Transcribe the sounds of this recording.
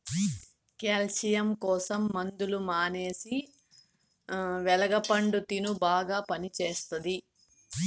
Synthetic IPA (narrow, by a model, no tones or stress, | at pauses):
keːlt͡ʃijɐmkɔːsɐmːɐnd̪ulumaːneːsi | ʋɛlɐɡɐpɐɳɖut̪inubaːɡaːpɐnit͡ʃeːst̪ɐd̪i